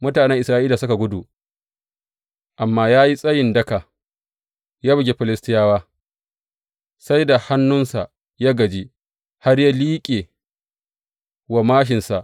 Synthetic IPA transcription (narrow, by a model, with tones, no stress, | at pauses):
mʊ˦taː˨nɛ˦ŋʔɪ˨sɾaː˦ʔiː˦laː˨sʊ˦ka˨ɡʷʊ˦du˨ | ʔa˨mːaː˦jaː˦ji˦sʼɐ˦jɪ˨ndɐ˦ka˨ | jaː˦bɪ˨ɡʲe˦ɸɪ˨lɪ˦stɪ˦jaː˦waː˦ | sa˦jda˨ha˦nːʊ˦nsa˨ | jaː˦ɡɐ˨d͡ʒi˦ | ha˦rja˦liː˦kʲʼeː˨ | wa˨maː˦ʃ̬ɪ˨nsa˨ʔ